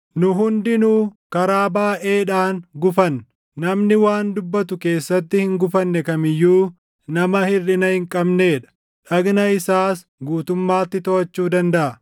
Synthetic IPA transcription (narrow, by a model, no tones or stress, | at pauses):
nʊɦʊnd̪ɪnukɐɾaːbaːʔe̞ːᶑaːŋɡʊfɐnː | ɐmnɪwaːnd̪ʊbːɐt̪ʊke̞ːsːɐt̪ːɪhɪŋɡʊfɐnːɛkɐmɪjːuː | nɐmɐhɪrːɪnɐhɪŋkʼɐbneːᶑɐ̥ | ᶑɐɡnɐɪsaːs | ɡuːt̪ʊmːaːt̪ːɪt̪ɔɐt͡ʃːuːd̪ɐnd̪ɐʔɐ